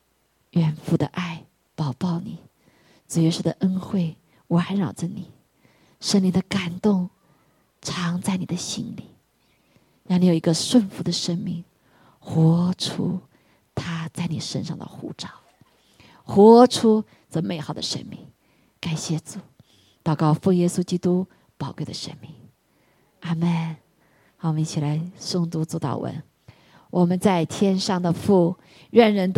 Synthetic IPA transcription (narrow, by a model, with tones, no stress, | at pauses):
ɥɛ˨˩nfu˧˩d̪ə̰˧ʔa˥˩ɪ | p̪ɑ˨˩ʊpɑ˥˩ʊni˨˩˦ | t͡s̩˨˩ɥɛ˧˥ʂɻ̩˥˩d̪ə̰˨˩ʔə˥nxwe˥˩ɪ | wa˧˥nɻɑ˨˩ʊʈ͡ʂə˧ni˨˩˦ | ʂə˥ŋli˧˥ŋd̪ə˧ka˨˩nt̪ʊ˥˩ŋ | ʈ͡ʂʰɑ˧˥ŋt͡sa˥˩ɪni˨˩d̪ə˦ɕḭ˥nli˨˩˦ | ɻɑ˥˧ŋni˧jo˨˩i˧˥ɡə˧ʂwə˥˩nfu˧˥˦d̪ə˧ʂə˥nmi˥˩ŋ | xwɔ˧˥ʈ͡ʂʰṵ˥ | t̪ʰa˥t͡sa˥˩ɪni˨˩ʂə̰˥nʂɑ̰˥˩ŋd̪ə̰˨˩xṵ˧˥ʈ͡ʂɑ˥˩ʊ | xwɔ˧˥ʈ͡ʂʰu˥ | ʈ͡ʂɤ˥˩me˥˩ɪxɑ˨˩ʊd̪ə̰˨ʂə̰˥nmḭ˥˩ŋ | ka˨˩nɕjɛ˥˩t͡su˨˩˦ | t̪ɑ˨˩ʊkɑ˥˧ʊfɤ˥˧ŋjɛ˥su˥t͡ɕi˥t̪u˥ | pɑ˨˩ʊkwe˥˩ɪd̪ə̰˨˩ʂə̰˥nmi˥˩ŋ | a˥mə˥˩n | xɑ˨˩ʊ˧i˧t͡ɕʰi˨˩la˧˥ɪʂʊ˥˧ŋt̪u˥t͡su˥t̪ɑ̰˨˩ʊwə̰˧˥n | wʔɔ˨˩mə˦nt͡sa˥˧ɪt̪ʰjɛ˥nʂɑ˥˩ŋd̪ə˩fu˥˩ | ɻə˥˩nɻə˧˥nt̪